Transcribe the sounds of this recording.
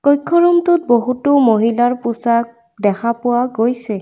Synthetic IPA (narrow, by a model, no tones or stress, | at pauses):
kɔjkʰːɔɹumtʊt̚boɦutʊmoɦilaɹpusak̚ | dɛkʰapʊwaɡojsɛ